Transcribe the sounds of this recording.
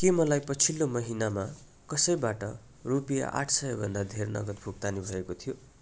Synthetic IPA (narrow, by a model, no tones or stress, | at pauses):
kemʌlajpʌt͡sʰilːomʌɦinama | kʌsʌjbaʈʌ | rupija̰ʔa̰ʈʰsʌjʌbʱʌnd̪ad̪ʱernʌ̰ɡʌt̪̚bʱuk̚t̪anibʱʌekot̪ʰijo